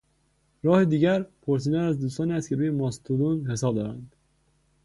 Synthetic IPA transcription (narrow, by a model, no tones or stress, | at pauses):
ɾɒːhed̪iːɟæɾpʰoɾs̬iːd̪ænæzd̪uːs̬t̪ɒːniːæst̪̚cʰe̞ɾuːjemɒst̪ʰud̪unhe̞sɒːbd̪ɒːɾænd̪̥